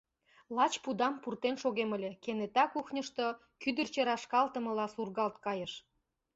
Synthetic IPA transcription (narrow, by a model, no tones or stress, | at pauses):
lɑt͡ɕpud̪ɑmpurt̪enʃoɣemə̆lʲĕkenet̪ɑkuxnʲəʃt̪o | kyd̪ə̆rt͡ɕeɾɑʃkɑlt̪ə̆mə̆lɑsurɣɑlt̪kɑjəʃ